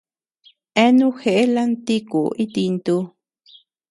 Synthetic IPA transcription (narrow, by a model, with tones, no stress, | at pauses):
e˦nũ˦xe˧ʔe˦la˦nt̪i˦ku˨i˦t̪i˧nt̪u˧